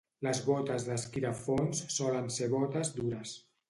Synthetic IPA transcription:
ləzβɔt̪əzðəskiɾəfonsːɔlənseβɔt̪əzd̪uɾəs

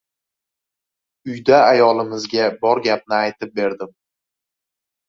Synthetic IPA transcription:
ʊjd̪aːjɒlˠɪmɪzɡʲabɒɾɡʲap̚nɪajt̪ʰɪp̚be̞ɾd̪ɪm

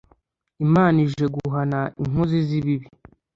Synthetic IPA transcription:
imaːniʒe̞ɡuɦanaḭŋ̥oziziβiβi

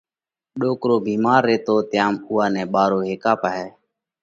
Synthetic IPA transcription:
ɗoːkɾoːbʱiːmaːɾːeːt̪oːt̪jaːmuːaːnɛ̃ːɓaːɾoːɦeːkaːpaːɦɛː

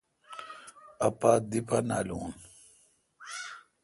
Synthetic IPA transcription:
ɐpad̪ipana̰ːluːn

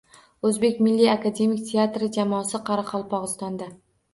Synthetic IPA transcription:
ɵzbe̞kʲmɪlːiakʰad̪e̞mikʲt̪ʰe̞at̪ɾɪd͡ʒamɒːsɪqʰɑɾaqʰɒlˠpʰɒʁɨst̪ɒnd̪a

